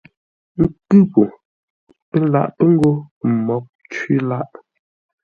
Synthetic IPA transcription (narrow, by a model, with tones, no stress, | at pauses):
ŋ̩˦kʉ˦po˨ | pɛ˦la̰˦ʔpə˦ŋ̩˦ɡo˦˨mɔ˨˦p̚ | t͡ʃɥi˦la˦ʔ